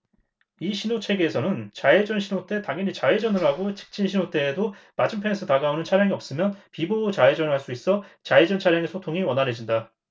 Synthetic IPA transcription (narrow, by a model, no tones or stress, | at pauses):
iɕʰinot͡ɕʰe̞ɡeːsʰʌnɯnt͡ɕaed͡ʑʌnɕʰinot͈e̞taŋʌɲit͡ɕaed͡ʑʌnɯɾɦaɡot͡ɕʰi̥k̚t͡ɕ͈inɕʰinot͈e̞ːdomad͡ʑɯmpʰe̞nsʰɯtaɡaonɯnt͡ɕʰaɾjaŋiʌp̚s͈ɯmjʌnpibot͡ɕaed͡ʑʌnɯɭɦaɭs͈uis͈ʌt͡ɕaed͡ʑʌnt͡ɕʰaɾjaŋesʰotʰoŋiwʌnɦaɾed͡ʑinda